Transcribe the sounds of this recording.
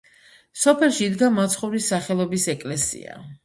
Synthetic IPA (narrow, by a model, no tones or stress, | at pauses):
sɔpʰɛlˠʃiːd̪ɡamat̪sʰχɔvɾisaχɛlˠɔbisɛkʼlɛsḭa̰